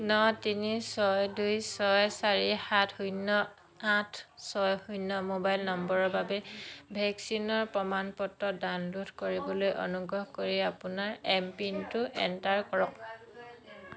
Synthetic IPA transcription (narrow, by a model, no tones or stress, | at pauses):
nɔtinisɔjdujsɔjsaɹihatʰhujnːɔ | atʰsɔjhujnːɔmobajlnɔmbɔɹɔɹbabɛbʱɛksinɔɹpɹɔmanpɔtːɔdanludkoɹibɔlojʔo̰nuɡɔɦkoɹiapʊnaɹɛmpintʊʔɛ̰ntaɹkɔɹɔk̚